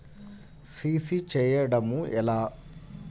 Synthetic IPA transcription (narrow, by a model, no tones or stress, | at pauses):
siːsit͡ʃɛːjɐɽɐmuɛlaː